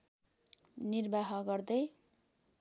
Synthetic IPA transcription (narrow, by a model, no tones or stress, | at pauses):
nirbaɦʌɡʌrd̪ʌj